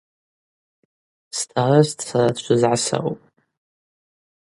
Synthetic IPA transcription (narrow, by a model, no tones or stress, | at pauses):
stʰarastʰʼsaɾadt͡ʃʷʰɨzʕasa̰wpʼ